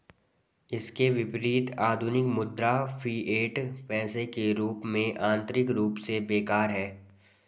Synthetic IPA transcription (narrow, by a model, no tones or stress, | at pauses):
ɪskeʋɪpɾiːt̪aːd̪ʱʊnɪkmʊd̪ɾafʰiːʔeːʈpɛːsekeɾuːpmẽʔãːnt̪ɾɪkɾuːpsebeːkaːɾɦɛː